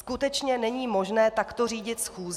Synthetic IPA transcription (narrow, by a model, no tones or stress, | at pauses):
skut̪ɛt͡ʃɲɛnɛɲiːmo̞ʒnɛːt̪akt̪oriːɟɪt̪sxuːz